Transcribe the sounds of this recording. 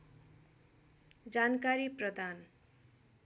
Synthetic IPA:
d͡zankaɾiprʌd̪ʱan

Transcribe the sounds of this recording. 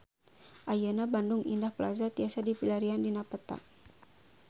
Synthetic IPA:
ʔajənabandʊŋʔḭndahpəla̰zat̪iasadipilaɾiandinapət̪a̰

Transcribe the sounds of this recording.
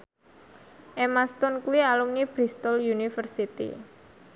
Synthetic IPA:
ʔemast̪ɔnkuwialumnib̥ɾist̪ɔljunifərsit̪ḭ

